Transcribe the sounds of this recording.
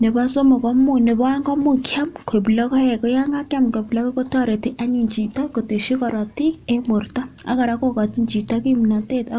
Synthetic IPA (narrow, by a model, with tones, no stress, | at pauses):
ne˨βa˦so˦mo˨kɔ˦mu˨ne˨βa˦ŋɡɔ˦mu˦˨kja˦mkwe˨bi˨la˦kɔ˦he˨ko˦ja˦ŋɡa˦kja˦mke˨bi˨la˦ko˦ko˦tɔ˦˨ɾe˨ti˦ʔa˦ɲi˦˨ɲd͡ʒi˨ta˦ko˨te˨ʃi˦kɔ˨ɾa˨ti˦ke˦mo˨ɾta˦a̰˨˦ka˨ɾa˦ko˦ka˨ti˦ɲd͡ʒi˨ta˦ki˦mu˨na˨te˦ta˦